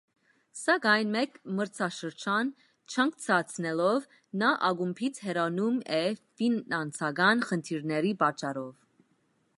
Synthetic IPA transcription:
sɑɡɑjnmɛkməɾt͡sʰɑʃəɾt͡ʃʰɑn | t͡ʃʰɑŋk̚t͡sʰɑt͡sʰnɛlɔv | nɑʔɑɡumpʰit͡sʰhɛɾɑnumɛfinɑnt͡sʰɑɡɑnχənt̪ʰiɾnɛɾipɑt͡ʃːɑɾɔv

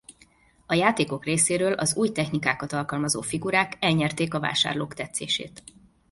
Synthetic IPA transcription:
ɒjaːt̪eːkokreːseːɾøːlʔɒzuːjt̪ɛxnikaːkɒt̪ɒlkɒlmɒzo̰ːfiɡuɾaːkɛlɲɛrt̪eːkɒva̰ːʃa̰ːrloːkt̪ɛt̪sḛːʃḛːt̪

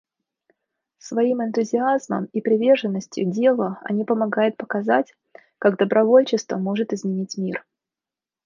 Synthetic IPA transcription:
svɐimɨnt̪ʊzʲɪazmə̰mipɾʲɪvʲe̞rʐɨnːəsʲtʲjʊ̰dʲe̞lˠəɐ̰nʲipəmɐɡajʊt̪̚pəkɐzatʲ | kaɡd̪əbɾɐvo̞lʲt͡ɕɪst̪vəmo̞ʐɨt̪ɨzmʲɪnʲitʲmʲir

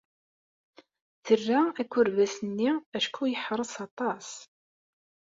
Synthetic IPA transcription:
θərːaækʷːʊɾvæsənːiæʃkʰujəħɾˤəsɑt̪ˤɑs

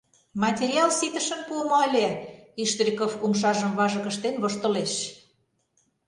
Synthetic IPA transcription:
mɑt̪ʲeɾʲiɑlsit̪ə̆ʃə̆npuəmoəlʲeiʃt̪rʲikofumʃ̬ɑʒə̆mβɑʒə̆kə̆ʃt̪enβoʃt̪ə̆leʃ

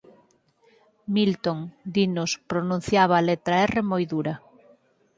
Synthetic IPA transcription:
milt̪oŋd̪inospɾonũn̟θjaβaːlet̪ɾɐɛremojðuɾɐ

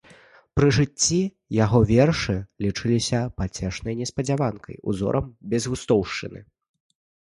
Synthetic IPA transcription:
pɾɨʐɨt͡sʲːi | jaɣɔvʲɛrʂɨlʲit͡ʂɨlʲisʲɐpat͡sʲɛʂnɐjnʲɛspɐd͡zʲavankʰɐ̰jṵzɔ̰ɾʔɐmbʲɛzɣust̪ɔwʂt͡ʂɨnɨ̰

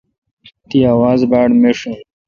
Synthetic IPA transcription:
t̪iaːwaːzbaːɽmeʂũ

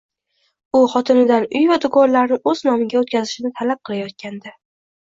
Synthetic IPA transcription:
ʊχɒt̪ʰɪnɪd̪anʊjvad̪ʊɡɒɾlaɾnɪŋɵznɒmɪɡʲaot̪̚kʲʰazɪʃɪnɪt̪ʰalap̚qʰɨlˠajɒt̪̚kʲand̪a

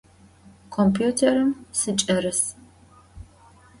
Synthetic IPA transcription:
kʷʰɔmpʰjuːtʰeɾɨmsɨt͡ʃʼɐɾɨs

